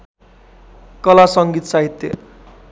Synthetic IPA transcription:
kʌlasʌŋɡit̪saɦit̪ːjḛ

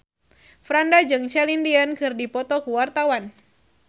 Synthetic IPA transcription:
fɾandad͡ʒɨŋt͡ʃɛlindiankɨrdipɔt̪ɔkuwart̪awan

